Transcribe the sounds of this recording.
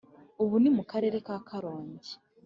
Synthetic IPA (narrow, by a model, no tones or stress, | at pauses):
oβunimukaɾe̞ɾe̞kakʰaɾoːɲɟi